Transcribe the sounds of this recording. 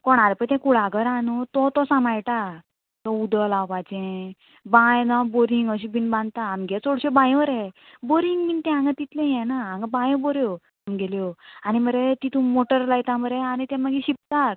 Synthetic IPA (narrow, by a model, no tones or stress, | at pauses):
kɔɽ̃aɾpət̪ɛ̃kuɽaɡəɾanut̪ɔt̪ɔsãmajʈ̪a | t̪ɔud̪əlaʋat͡ɕɛ̃ | bãjnãboɾĩŋɡəɕ̬ibinbãnd̪t̪aamɡɛt͡soɽɕebãj̃ʋəɾɦɛboɾiŋɡmint̪ɛ̃ãŋɡat̪it̪lẽjɛ̃naãŋɡabãj̃bɔɾjo | amɡeljoañiməɾet̪it̪umoʈəɾlajt̪ãməɾeañit̪ɛ̃məɡiɕip̚t̪ak̪̚